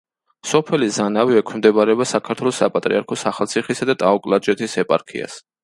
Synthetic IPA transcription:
sɔpʰɛlizanaviɛkʰimd̪ɛbaɾɛɔbasakʰaɾt̪ʰwɛlˠɔsapʼat̪ʼɾiaɾkʰɔsaχalˠt̪sʰiχisad̪at̪ʼaɔkʼlˠad͡ʒɛt̪ʰisɛpʼaɾkʰḭa̰s

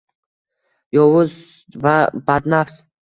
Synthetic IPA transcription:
jɒwʊz | vabad̪nafs

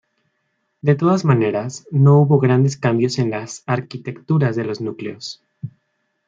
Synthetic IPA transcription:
d̪e̞t̪o̞ðazmane̞ɾasno̞uβo̞ɣɾand̪e̞skambjo̞se̞nlasaɾkit̪e̞kt̪uɾazðe̞lo̞znukleos

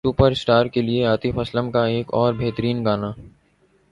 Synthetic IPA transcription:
supəɾɪsʈaːɾkelieaːt̪ifʰɐsləmkaeːkɔːɾbʱeːt̪əɾiːnɡaːnaː

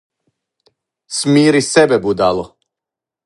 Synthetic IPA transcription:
smiːɾisɛbɛbud̪aːlo

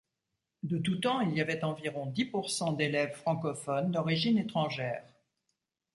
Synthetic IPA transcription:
d̪ət̪ut̪ɑ̃iljavɛt̪ɑ̃viʁɔ̃d̪ipuʁsɑ̃d̪elɛvfχɑ̃kɔfɔnd̪ɔʁiʒinet̪χɑ̃ʒɛːʁ

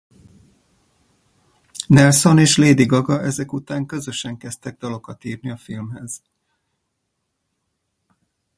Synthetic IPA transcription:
nɛlso̞neːʃleːd̪iɡɒɡɒʔɛzɛkut̪aːŋkø̞zø̞ʃɛŋkɛst̪ɛɡ̚d̪ɒlo̞kɒt̪iːrniɒfilmɦɛz̥

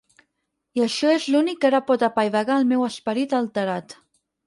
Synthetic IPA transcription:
iəʃɔezlunikːəɾapɔt̪əpajβəɣaəlˠmɛwəspəɾit̪əlˠt̪əɾat̪

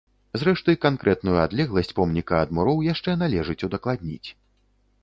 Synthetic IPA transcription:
zɾɛʂt̪ɐjkankɾɛt̪nujuad̪lʲɛɣlˠɐsʲt͡sʲpɔmnʲikɐɐd̪muɾɔwjaʂt͡ʂɛnalʲɛʐɨt͡sʲud̪ɐklˠad̪̚ʲnʲḭt͡sʲ

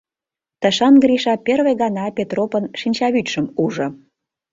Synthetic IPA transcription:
t̪ə̆ʃɑnɡɾiʃɑpʲerβeɣɑnɑpʲet̪ropənʃinʲt͡ɕɑβytʃə̆muʒɤ̆

